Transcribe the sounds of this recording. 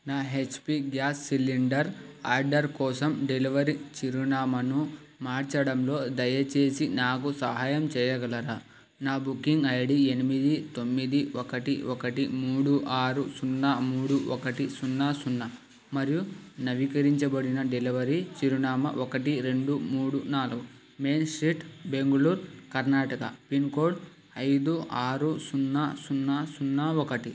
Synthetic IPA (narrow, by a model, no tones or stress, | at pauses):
naːɦet͡ʃpiɡjaːsːiliɳɖɐɾaːɾɖɐɾkɔːsɐmɖeliʋɐɾit͡ʃiɾunaːmɐnu | maːɾt͡ʃɐɽɐmlo̞ːd̪ɐjɐt͡ʃe̞ːsinaːkusɐɦaːjɐmt͡ʃɛːjɐɡɐlɐɾa | naːbukːiŋɡɐjɐɽie̞nimid̪it̪o̞mːid̪iokɐʈiokɐʈimuːɽuʔaːɾusunːɐmuːɽuɔkɐʈisunːɐsunːɐ | mɐɾijunɐʋikɐɾiɲt͡ʃɐbɐɽinɐɖeliʋɐɾit͡ʃiɾunaːmɐ̰ʔokɐʈiɾe̞ɳɖumuːɽunaːluɡu | meːnsɾiʈbeŋɡɐluːɾkɐɾnaːʈɐkɐ̰pinko̞ːɖ | ɐjd̪uaːɾusunːasunːɐsunːɐokɐʈi